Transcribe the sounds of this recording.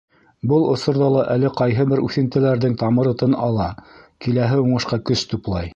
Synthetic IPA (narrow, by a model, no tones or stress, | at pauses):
bɤlˠŏsŏɾðɑlˠɑʔælɘqɑjɦɤbɘɾʉθɘ̆nt̪ɘ̆læɾðɘŋt̪ɑmɤ̆ɾɤ̆t̪ɤnɑlˠɑkilæɦɘuɴɤ̆ʃqɑkɵst̪uplˠɑj